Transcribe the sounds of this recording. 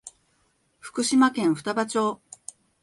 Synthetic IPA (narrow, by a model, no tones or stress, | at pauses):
ɸɯ̥kɯ̟ɕimakẽ̞ɰ̃ɸɯ̟̥t̪abat͡ɕo̞ː